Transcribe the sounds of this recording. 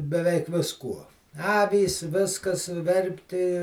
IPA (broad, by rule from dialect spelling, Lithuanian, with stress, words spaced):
bʲɛˈʋʲɛɪk ʋʲɪsˈkuɔ ˈɑːʋʲiːs ˈʋʲɪskɐs ˈʋʲɛrʲpʲtʲɪ